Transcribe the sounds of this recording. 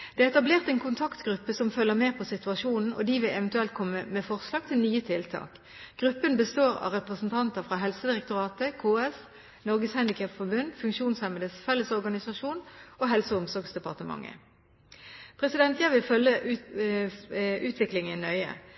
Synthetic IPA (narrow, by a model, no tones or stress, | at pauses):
d̪̥ɛːɛt̪ɑbleːʁt̪ɛːnkʰʊnt̪ʰɑkt̪ɡʁʉpːəsɔmfœlːəmeːpʰɔsɪt̪ʉɑʂuːnn̩ʔɔ̰d̪iʋɪlɛʋənt̪ʉɛlt̪̚kʰɔmːəmɛfɔʁslɑːɡ̚t̪ʰɪlnyːət̪ʰɪlt̪ʰɑ̰ːk | ɡ̥ʁʉpːənbəst̪oːɾɑ̰ʁɛpʁəsn̩t̪ʰɑnt̪əfʁɑɦɛlsəd̪ɪʁɛk̚t̪ʊʁɑːt̪əkʰoːɛs | nɔʁɡəshɛnd̪ɪkʰɑpfɔbʉnd̪fʉŋkʃuːnshɛməd̪əsfɛlːəsɔʁɡɑnɪsɑʂuːnoːɦɛlsəʊmsɔɾɡsd̪ɛpɑʁt̪əmɑ̰ŋːə̰ | pʰʁɛsɪd̪ɛnt̪jæɪʋɪlfœlːə | ʔʉːt̪ʰʋɪklɪŋənœʏə̰